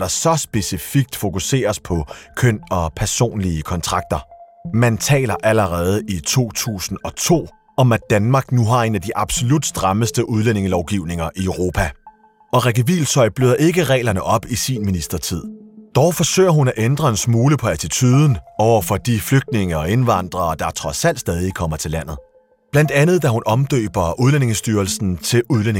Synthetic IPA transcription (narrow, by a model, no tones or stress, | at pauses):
d̥ɑ̈sɒ̽sb̥e̝sifiɡ̥̚d̥fo̝kuse̝̰ːɐspʰɒ̽kʰøn̰ɒ̽pʰæɐso̝̰ːnliəkʰɒ̽nt͡sʰʁɑ̈ɡ̥̚d̥ɐ | mænt͡sʰɛ̰ːlɐʔæləʁɛːð̞ˠəʔit͡sʰo̝̰ːt͡sʰṵːsn̩ɒ̽t͡sʰo̝̰ː | ɒ̽mæd̥ænmɑ̈ːɡ̥nuɦɑ̈e̝næd̥iʔɑ̈b̥so̝lud̥sd̥ʁɑ̈məsd̥əʔuð̞ˠlene̝ŋlɒʊɡ̥iʊ̰ne̝ŋɐʔiœʊʁo̝ːpʰæ | ɒ̽ʁɛɡ̥əʋḭːlsʰɒ̽ɪ̰b̥løðˠɐʔe̝ɡ̥əʁɛ̰ːlɐnəʔɒ̽b̥isinminisd̥ɐt͡sʰið̰ˠd̥ɒʊfɒ̽sø̰ɪ̰ɐɦunæʔend̥ʁɐe̝nsmuːləpʰɒ̽æt͡sʰit͡sʰyːðˠn̩ɒʊɐfɒ̽d̥ifløɡ̥̚d̥ne̝ŋəɒe̝nʋɑ̈n̰d̥ʁɐːd̥ɑ̈t͡sʰʁɒ̽sæl̰d̥sd̥ɛːð̞ˠikʰɒ̽m̰ɐt͡sʰe̝læn̰ð̩ˠ | b̥læn̰d̥ænð̩ˠd̥æhunʔɒ̽md̥ø̰ːb̥ɐuð̞ˠlene̝ŋəsd̥yːɐlsn̩t͡sʰe̝luðˠlen